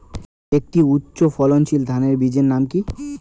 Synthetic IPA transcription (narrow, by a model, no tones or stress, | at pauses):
ek̚ʈiutːɕofɔlont͡ɕʰild̪ʱaneɾbid͡ʑeɾnamki